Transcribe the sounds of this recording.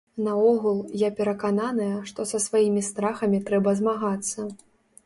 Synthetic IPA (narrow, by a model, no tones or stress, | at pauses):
nɐɔɣulˠjapʲɛɾɐkananɨjɐʂt̪ɔsɐsvajimʲist̪ɾaxɐmʲit̪ɾɛbɐzmaɣat̪sːɐ